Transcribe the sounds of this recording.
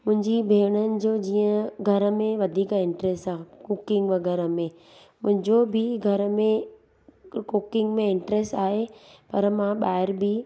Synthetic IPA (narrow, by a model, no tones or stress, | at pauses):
mʊ̃ɦɪ̃ɲd͡ʑibʱeːɽ̃ənɪ̆d͡ʑoːd͡ʑiːə̃ɡʱɐɾə̆mẽʋɐd̪ʱiːkɪ̃ɳʈɾeːsaːɦkʊkɪ̃ŋɡʋɐɡɛɾəmẽ | mʊ̃ɦɪ̃ɲd͡ʑobʱɪɡʱɐɾəmẽ | kukɪ̃ŋɡmẽɪɳʈɾeːsʈaːɦepɐɾmãɓaːɦɪɾbi